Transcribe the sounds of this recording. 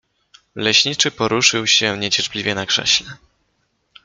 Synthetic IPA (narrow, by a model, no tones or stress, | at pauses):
lɛɕɲit͡ʂɘpɔɾuʂɘwɕɛɲɛt͡ɕɛɾplʲivʲjɛnakʂɛ̰ɕlɛ